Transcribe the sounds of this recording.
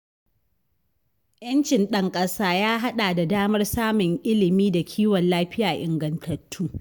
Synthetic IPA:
jɐ˦nt͡ʃɪ˨nɗɐ˦ŋkʼɐ˦saː˦jaː˦ɦa˦ɗaː˨da˨daː˦mɐ˦rsaː˦mʊ˨ŋʔɪ˦lɪ˨miː˦da˨kʲʰiː˦wɔ˨nlaː˦ɸɪ˦jaː˨ʔɪ˨ŋɡɐ˨ntʰɐ˨tʰːuː˦

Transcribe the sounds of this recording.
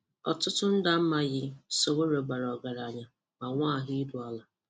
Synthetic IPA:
ɔ̰˨tʊ˦tʊ˦n̩˦da˨m̩˦ma˨ɣɪ˦so˨wo˦ɾo˨ɡ͡ba˨ɾɔ˨ɡa˨ɾa˨ɲa˨ | ma˨ŋʷaː˦˨ɦɪ˦du˨a˦la˨

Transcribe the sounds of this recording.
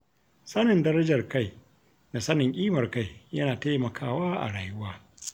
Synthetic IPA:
sɐ˦nɪ˨ndɐ˦ɾɐ˦d͡ʒɐ˨rka˦˨j | na˨sɐ˦nɪ˨ŋkʲʼiː˦mɐ˨rka˦˨jjɐ˦naː˨teː˦mɐ˨kʰaː˦˨waː˦ʔa̰˨ɽaː˨jʊ˦waː˦

